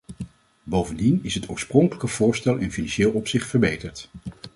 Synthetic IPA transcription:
bowvəndinɪsɦətʊ̰ːɹsprɔŋkələkəv̥ʊːɹstɛlˠɪnfinãnʃeːlˠɔpsɪχtfəɹbejtəɹt

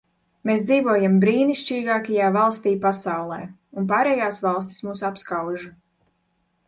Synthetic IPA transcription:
meːsd̪ziːvoɔjambɾiːniʃt͡ʃiːɡaːkajaːvalˠst̪iːpasawlˠɛ̰ː | unp̬aːɾɛːjaːsvɑlˠs̬t̪ʲi̥smuːsapskawʒu

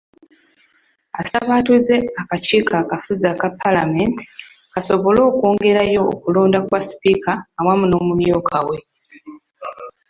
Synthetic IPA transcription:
a̰saβaːtuze̞akaciːkakafuzakapʰːalamenti̥ | kaso̞βo̞lo̞ːko̞ːŋɡe̞ɾajo̞̰ːkuloːndakwasi̥pikaːwamuno̞ːmumjokʰawe̞

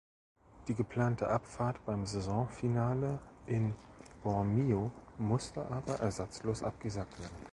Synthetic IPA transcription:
d̥iːɡəpʰl̥aːntʰəʔapfaːɐtb̥aɪmzɛzɔ̃finaːləʔɪnb̥ɔʁmiomʊstəʔaːbɐʔɛɐzat͡sloːsʔap̚ɡ̥əzaːk̚tv̥eːɐdn̩

